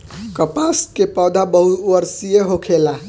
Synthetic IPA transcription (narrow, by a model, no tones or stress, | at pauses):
kəpaskepɔːd̪abəɦuwəɾsijeɦokʰela